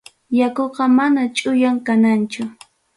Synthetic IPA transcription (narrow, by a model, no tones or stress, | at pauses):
jakoqɑmanat͡ʃʼʊjaŋkanant͡ʃʊ